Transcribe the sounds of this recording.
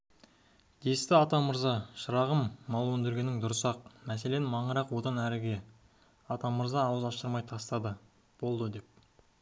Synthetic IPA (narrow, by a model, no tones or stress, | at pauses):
d̪̥e̞st̪ɪɑt̪ɑməɾzɑʃəɾɑʁəmːɑlˠwɵnd̪ɪɾɡʲe̞nːɪŋd̪ʊɾəsɑq̚mæse̞le̞nɪmɑɴəɾɑqwo̞d̪ɑnæɾɪɡʲe̞ | ɑt̪ɑməɾzɑːwəzɑʃəɾmɑjt̪ʰɑst̪ɑd̪ə | b̥o̞lˠd̪əd̪e̞p̚